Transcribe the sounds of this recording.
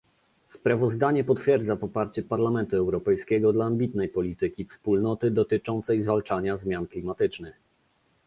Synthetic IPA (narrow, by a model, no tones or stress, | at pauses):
spɾavɔzd̪aɲɛpɔt̪fʲjɛɾd̪zapɔpaɾt͡ɕɛpaɾlamɛnt̪uɛwɾɔpɛjskʲɛɡɔd̪laːmbʲit̪nɛjpɔlʲit̪ɘkʲifspulnɔt̪ɘd̪ɔt̪ɘt͡ʂɔnt̪sɛjzvalt͡ʂaɲazmʲjanklʲimat̪ɘt͡ʂnɘx